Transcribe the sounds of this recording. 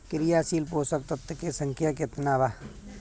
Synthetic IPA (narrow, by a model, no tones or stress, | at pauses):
kɪɾɪjaːsiːlpoːsək̚t̪ɐt̪ːkesɐ̃ŋkʰjak̬et̪naːʋa